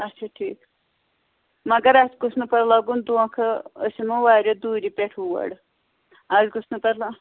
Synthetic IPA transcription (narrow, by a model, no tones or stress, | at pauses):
ɐtːt͡ʃʰaʈʰiːk | mɐɡɐɾasɡusʰnupɐɽlaɡund̪uãkʰɐə̰simɐʋaːɾʲɐd̪uːɾipʲeʈʰuʋɐ̰ɽ | azɡusnupɐɾlã